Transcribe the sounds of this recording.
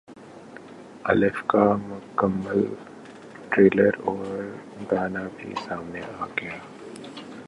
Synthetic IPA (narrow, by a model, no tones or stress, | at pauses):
ɐ̰lɪfkamʊkəmːəl | ʈɾeːləɾɔːɾɾ | d̪aːnabʱḭsaːmneaːɡɐjaː